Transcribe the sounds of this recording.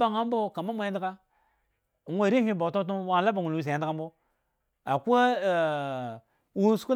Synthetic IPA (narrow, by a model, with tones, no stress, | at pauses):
a˦˨ŋa˦m˦bo˦ka˨ma˦mʷa˨ja˦di˦ka˦˨ | ŋwe˦˨ɾi˦hi˦bo˨to˦tu˦wa˦˨la˦ba˨ŋu˨lwi˨sa˨ja˨ndi˦ka˦mbo˦ | a˨ku˦a˦˨ | wu˦su̥˨˦u˦